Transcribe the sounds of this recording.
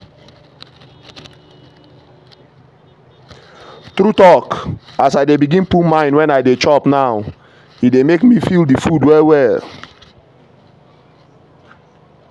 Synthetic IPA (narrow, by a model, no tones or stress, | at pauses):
tɾutɔkasaɪdebiɡĩnpumãɪ̃nwɛ̃naɪdet͡ʃɔpnaw | it̚demekmifildifudwɛwɛl